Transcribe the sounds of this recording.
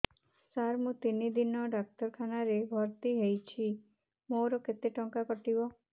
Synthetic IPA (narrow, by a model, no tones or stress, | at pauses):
saɾmũt̪inid̪inɔɖak̚t̪ɔɾkʰanaɾebʱɔɾt̪iɦejt͡ʃʰi | moɾɔket̪eʈɔŋkakɔʈibɔ